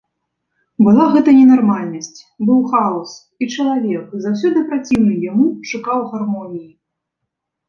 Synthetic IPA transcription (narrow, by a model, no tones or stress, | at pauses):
bɨlˠaɣɛt̪ɐnʲɛnarmalʲnɐsʲt͡sʲ | bɨwxaɔs | it͡ʂɐlˠavʲɛkzawsʲɔd̪ɨpɾat͡sʲiwnɨjamuʂukawɣarmɔnʲiji